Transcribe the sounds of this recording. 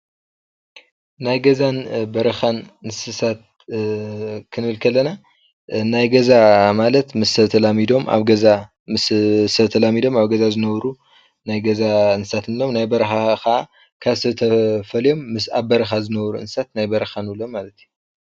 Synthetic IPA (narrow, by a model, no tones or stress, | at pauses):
najɡɐzanbɐɾɐxanɨnsɨsat̪̚ | kʰɨnɨβɨlkʰɐlːɐna | najɡɐzamalɐt̪mɨsːɐβt̪ʰɐlamid̪o̞ma̰βɡɐza | mɨssɐβt̪ʰɐlamid̪o̞maβɡɐzazɨnɐβɾu | najɡɐzansɨsat̪ɨnɨlomnajbɐɾɐxakɐʔa | kʰaβsɐt̪ʰɐfɐljo̞mːɨsaβbɐɾɐxazɨnɐβɾuɨ̰nsɨ̥sat̪najbɐɾɐxanɨlo̞malɐt̪ju